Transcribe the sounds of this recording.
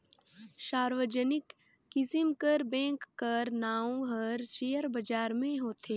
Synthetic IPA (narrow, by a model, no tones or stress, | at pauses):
ʃaːɾʋəd͡ʒənɪkː | ɪsɪmkəɾbɛ̃ːŋkːəɾnaːõɦəɾʃeːəɾbɐd͡ʒaːɾmẽɦoːt̪ʰeː